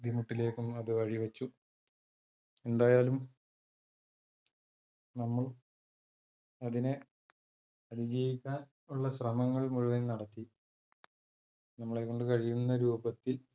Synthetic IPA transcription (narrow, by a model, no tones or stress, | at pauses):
d̪imuʈːile̞ːkːumɐðɨɐɻiʋɐt͡ɕːu | e̞nd̪aːjaːlum | nɐmːɐɭ | ɐðine | ɐðid͡ʑijikʲːaːn | uɭːɐɕrɐmɐŋːɐɭmuɻuʋɐnnɐɽɐt̪ːi | nɐmːɐɭekːo̞ɳɖɨkɐɻijunːɐɾuːbɐt̪ːil